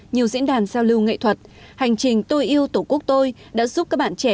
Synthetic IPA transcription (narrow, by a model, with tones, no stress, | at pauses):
ɲi˨˩əwzḭ˧˥ənɗaː˨˩nsa˧wlɨ˧wŋḛ˧˨t̪ʰwə˨˩t̚ | ha˨˩jŋ̟t͡ɕï˨˩ŋ̟t̪o˧jʔi˧əwt̪o˧˩ku˦˥ək̚t̪o˧j | ɗa̰ː˧˥zu˦˥p̚kːaː˦˥k̚ɓa̰ː˧˨nt͡ɕɛ˧˩